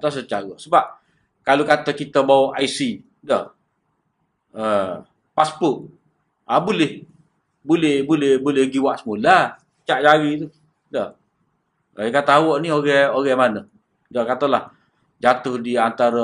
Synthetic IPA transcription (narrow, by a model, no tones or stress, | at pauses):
t̪as̬ət͡ʃaɣəʔsəbap̚ | kalokat̪əkit̪əbawɔʔaisi | dɔh | ə | paspʊʔ | abolɪh | bulɛhbolɛhbolɛhɡiwaʔsəmulasət͡ʃaʔd͡ʒaɾit̪u | dɔh | akat̪əawɔʔnioɣɛoɣɛʔmanə | dɔkat̪əlah | d͡ʒat̪ʊhdiant̪aɾə